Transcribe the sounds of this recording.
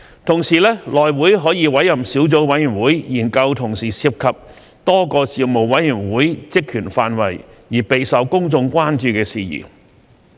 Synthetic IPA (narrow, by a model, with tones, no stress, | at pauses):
t̪ʰʊ˨˩ŋsiː˨˩lɛː˥lɔː˨˩jwuː˨˥jɦɔː˨˥jiː˨˧wɐ˨˥jːɐ˨˩msiː˨˥wt͡so˨˥wwɐ˨˥jyː˨˩nwuː˨˥jjiː˨˩nkɐ˧wt̪ʰʊ˨˩ŋsiː˨˩siː˧p̚kʰɐ˨p̚ | t̪ɔː˥kɔː˧siː˨mo˨˩wɐ˨˥jjyː˨˩nwuː˨˥jt͡sɪ˥kʰyː˨˩nfaː˧nwɐ˨˩jjiː˨˩pe˨˧jsɐ˨˧˥wkʊ˥ŋt͡sʊ˧ŋkʷaː˥nt͡ʃyː˧kɛː˧siː˨jḭ˨˩